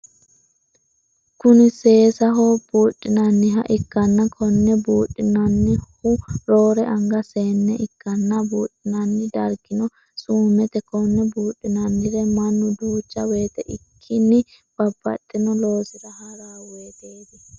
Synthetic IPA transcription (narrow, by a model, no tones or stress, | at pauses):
kʊnɪse̞ːsɐɦob̥uːᶑʼːɪnɐnːɪɦɐ̰ʔɪkːɐnːɐkʰɔnːɛbuːᶑʼːɪnɐnːɪhʊɾo̞ːɾɛʔɐŋɡɐseːnːɛʔɪkːɐnːɐbuːᶑɪnɐnːɪd̪ɐɾɡɪnɔ | suːmɛt̪ɛkɔnːɛbuːᶑʼɪnɐnːɪɾɛmɐnːʊd̪uːt͡ʃːɐwe̞ːt̪ɛʔɪkʰːɪnːɪ | b̥ɐb̥ːɐ̰t̪ʼːɪnɔloːsɪd̪ɐhɐɾaːweːd̪eːd̪ɪ